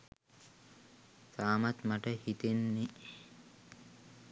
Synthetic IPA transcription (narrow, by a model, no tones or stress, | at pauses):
t̪aːmat̪maʈəhit̪enːe